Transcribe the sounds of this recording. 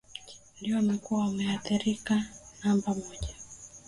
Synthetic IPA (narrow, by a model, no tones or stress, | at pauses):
ndijɔnakuwawamɛaθiɾikanambamɔʄa